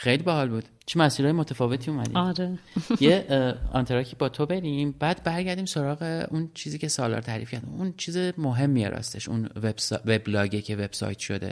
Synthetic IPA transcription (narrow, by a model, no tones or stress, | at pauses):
xejlibæɦɒːlbuːd̪̥t͡ʃʰemæsiɾɒːjemot̪ʰæfɒːve̞t̪ʰiːumæd̪ḭɒɾejeɒ̰nt̪ʰeɾɒcʰiːbɒːt̪ʰobe̞ɾimbæːd̪̥bæɾɟæɾd̪iːmso̞ɾɒːɣe̞ʔunt͡ʃʰiːziːcʰe̞sɒːlɒ̰ːɾt̪ʰæɾḭːfkcʰæɾd̪imunt͡ʃʰiːzemoɦe̞mːijḛɾɒ̰st̪eʃṵnvebsveblɒːɟecʰeve̞b̥sɒ̰jt̪ʰʃo̞d̪e̞̰